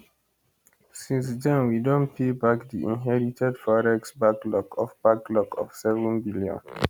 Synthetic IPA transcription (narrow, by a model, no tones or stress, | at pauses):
sĩnsdɛ̃nwidõntfibakdiʔḭ̃nɦɛɹitʰɛdfɔɹɛksbaklɔkʰɔfb̥aklɔkʰɔ̰fsɛvɔ̃nbiljɔ̰̃n